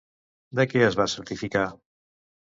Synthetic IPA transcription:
d̪əkɛəzβasəɾt̪ifika

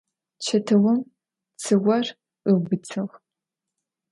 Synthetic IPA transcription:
t͡ʃʰɐtʰɐwɐm | t͡sʰɨwʷɐr | qɨbɨt͡sʰɨʁ

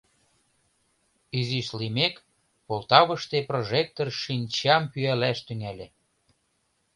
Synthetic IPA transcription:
yziʃlimek | polˠt̪ɑβə̆ʃt̪eproʒek̚t̪orʃinʲt͡ɕɑmpyælæʃt̪yŋælʲĕ

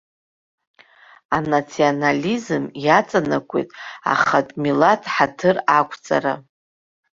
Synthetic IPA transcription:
anat͡sʰionalʲizɨmjat͡sʼanakʷʼḛtʼa̰χatʼmilatʰħatʰɨrakʷʰʼt͡sʼa̰ɾa̰

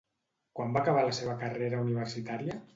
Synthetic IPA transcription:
kwambakəβ̞aləseβəkəreɾəuniβərsit̪aɾiə

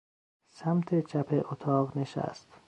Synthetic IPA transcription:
sæmt̪ʰet͡ʃʰæpʰeʔot̪ʰɒːɣneʃæ̰st̪

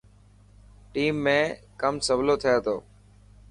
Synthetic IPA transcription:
ʈiːmːẽː | kəmsəʋloːt̪ʰɪjoːt̪ʰoː

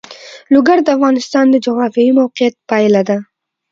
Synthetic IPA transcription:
lʊɡaɾd̪avʁɑnɪst̪ɒnd̪ad͡ʒɒʁɾafijimowqɪjat̪̚pajlad̪ɪ

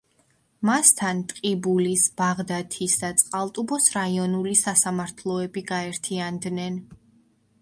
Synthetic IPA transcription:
mast̪ʰant̪ʼqʼibulisb̥aʁd̪at̪ʰisd̪at̪sʼqʼalˠt̪ʼubɔsɾaiɔnulisasamaɾt̪ʰlˠɔɛbiɡaɛɾt̪ʰiand̪nɛn

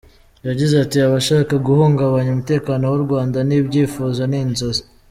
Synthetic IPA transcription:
jaɟizatiaβaʃaːkaɡuhoːŋɡaβaɲumute̞ːkaːnowuɾɡwaːndaniːbɟiːfuːzoninzoze

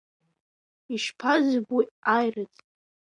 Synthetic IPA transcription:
iʃpʰazbwiajrɨt͡sʼ

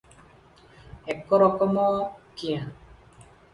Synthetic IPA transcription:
ɛkɔɾɔkɔmɔkiã

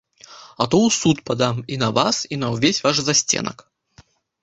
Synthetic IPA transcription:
ɐt̪ɔwsut̪pad̪aminɐvasinɐwvʲesʲvaʂzasʲt͡sʲɛ̰nɐ̰k

